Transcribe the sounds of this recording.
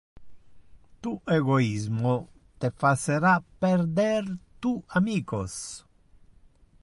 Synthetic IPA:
t̪uʔeɡoizmo | t̪efaseɾapːɛɾd̪ɛrt̪uamiːkos

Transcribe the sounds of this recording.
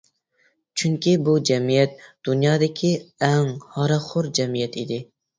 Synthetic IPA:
t͡ʃʰyŋkʲibud͡ʒɛmijɛt̪̚d̪̥unjɑːd̪ɪkʲʰiɛŋhɑɾɑχʊɾd͡ʒɛmijɛt̪id̪ɪ

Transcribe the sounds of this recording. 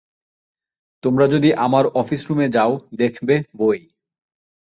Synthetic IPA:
t̪omɾad͡ʑod̪iʔamaɾɔfisɾumed͡ʑaod̪ekʰbeboj

